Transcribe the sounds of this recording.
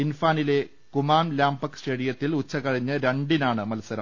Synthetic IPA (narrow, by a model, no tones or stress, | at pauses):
infaːnile̞ | kumaːmlaːmbɐksʈe̞ːɽijɐt̪ːilut͡ɕːɐkɐɻiɲːɨɾeɳɖinaːɳɨmɐlɐsɐɾɐm